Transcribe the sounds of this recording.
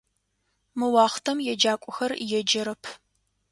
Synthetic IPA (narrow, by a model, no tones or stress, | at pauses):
mɨwɑːχtʰɐmjɛd͡ʒaːkʷʼʊxɐrjɛd͡ʒɐɾɐpʰ